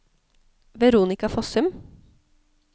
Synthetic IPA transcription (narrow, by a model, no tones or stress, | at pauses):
ʋɛɾuːnɪkɑfɔsʉm